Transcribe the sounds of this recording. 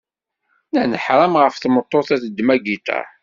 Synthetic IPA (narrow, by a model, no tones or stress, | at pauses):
nænəħɾˤɑmʁəfθmət̪ˤːoθæθəd̪ːmæɡit̪æ̰